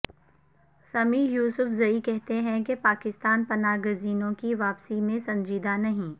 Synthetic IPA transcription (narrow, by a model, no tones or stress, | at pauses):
sɐmiːjuːsʊfzɐikɛɦt̪eɦɛ̃kepaːkɪst̪aːnpɐnaːɡʊziːnõkiʋaːpsimẽsɐ̃ɲd͡ʒiːd̪anɐɦĩː